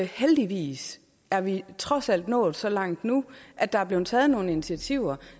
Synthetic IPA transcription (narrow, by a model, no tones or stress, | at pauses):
held̥iʋḭːs | æɐʋit͡sʰʁɒ̽sæl̰d̥nɔ̰ːð̩ˠsɒ̽lɑ̈ŋ̰d̥nuʔæd̥ɑ̈æɐb̥leʊn̩t͡sʰɛːð̞̩ˠno̝ːn̩init͡sʰiæt͡sʰiʊ̰ɐ